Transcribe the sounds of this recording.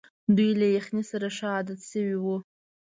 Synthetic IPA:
d̪ujlajaχnisaɾaʂɑːd̪at̪ʃəwiwu

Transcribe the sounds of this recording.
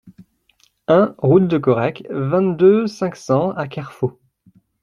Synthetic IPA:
ɛ̃ʁut̪̚d̪əkɔʁɛkvɛ̃t̪̚d̪øsɛ̃ksɑ̃akaʁfo

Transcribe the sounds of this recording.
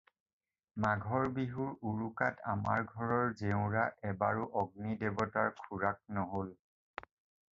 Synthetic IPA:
maɡʱɔɹbiɦuɹuɹukatʰama̰ɹɡʱɔɹɔɹzeʊ̃ɹaʔɛbaɹuʔɔɡ̚nidebɔtaɹkʰuɹak̚nɔɦol

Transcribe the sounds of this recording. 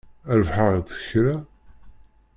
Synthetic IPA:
æɾvħaʁðə̥çɾa

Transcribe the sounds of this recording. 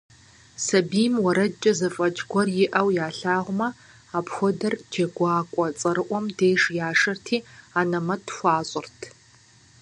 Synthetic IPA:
sɐbiːmwɐɾɐt͡ʃʼɐzɐfʼɐd͡ʒɡʷɔrjɪʔɐwjaːɬaːʁʷʊmɐ | aːpxʷɔdɐrd͡ʒɐɡʷɑːkʷʼɔt͡sʼɐɾɨʔʷɔmdeːʂjaːʂɐrtʰiːaːnɐmɐtʰxʷɑːɕʼɪrtʰ

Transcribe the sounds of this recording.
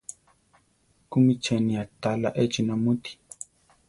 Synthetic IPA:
kumit͡ʃɛnĩat̪ala̰ʔet͡ʃinamũt̪i̥

